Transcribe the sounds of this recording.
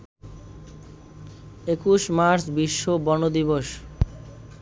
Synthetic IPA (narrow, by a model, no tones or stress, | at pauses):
ekuʃmaɾsbiʃːobɔnod̪iboʃ